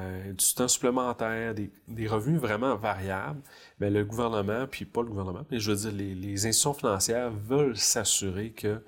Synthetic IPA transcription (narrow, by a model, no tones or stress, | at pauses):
d̪yt̪ɛ̃sy̥plemɑ̃t̪ɛːʁd̪ed̪eʁəvnyvʁɛmãvaʁjabl | mɛləɡuvɛʁnəmãpʰipʌləɡuvɛʁnəmãmɛʒvəd͡ziːʁlelezɛ̃st̪sjɔ̃finɑ̃sjɛːʁvœlsasyʁekʰə